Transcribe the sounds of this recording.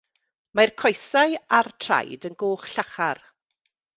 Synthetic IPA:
majrkʰɔjsaartʰra̰jdənɡoːχɬaχar

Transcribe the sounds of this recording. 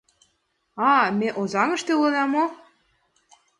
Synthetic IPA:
ɑmeʔozɑŋə̆ʃt̪eulɤ̆nɑmo

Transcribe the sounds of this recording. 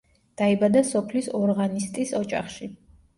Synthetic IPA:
d̪̥aibad̪asɔpʰlisɔɾʁanist̪ʼisɔt͡ʃʼa̰χʃi

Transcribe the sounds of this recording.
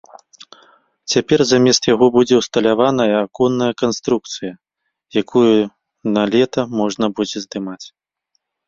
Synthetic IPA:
t͡sʲapʲɛrzamʲɛst̪jaɣɔbud͡zʲɛwst̪ɐlʲavanɐjɐːkɔnːɐjɐkanst̪ɾuk̚t̪sɨjɐ | jakuju | nɐlʲɛt̪ɐmɔʐnɐbud͡zʲɛzd̪ɨmat͡sʲ

